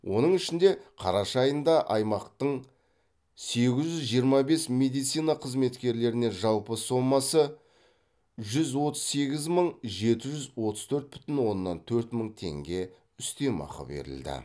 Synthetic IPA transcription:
wʔo̞nəɴɪʃɪnd̪e̞qʰɑɾɑʃɑːjənd̪ɑʔɑjmɑqt̪əɴ | se̞ɡʲɪzʒʏzʒijəɾmɑbe̞smʲe̞d̪ijt̪sijnɑqʰəzme̞t̪kʲe̞ɾle̞ɾɪne̞ʒɑlˠpəso̞mːɑsə | ʒʏzwo̞t̪ə̥z̥se̞ɡʲɪzməɴʒe̞t̪ɪʒʏzwo̞t̪əz̥t̪ʰɵɾt̪̚bʏ̥t̪ɪnwo̞nːɑ̰nt̪ʰɵɾt̪məɴt̪ʰe̞̰ŋɡʲe̞ | ʏst̪emɑ̰qə̰bḛɾɪ̰ld̪ɪ̰

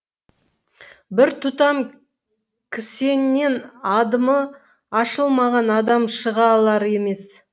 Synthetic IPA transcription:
bɪɾt̪ʰʊt̪ɑm | kʲʰɪse̞nːe̞nɑd̪əmə | ɑʃəlˠmɑʁɑnɑd̪ɑmʃəʁɑlˠɑɾe̞me̞s

